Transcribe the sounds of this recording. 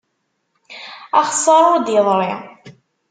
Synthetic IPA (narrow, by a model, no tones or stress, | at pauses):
ɑχsˤːɑɾˤʊɾd̪jəðˤɾˤɪ̰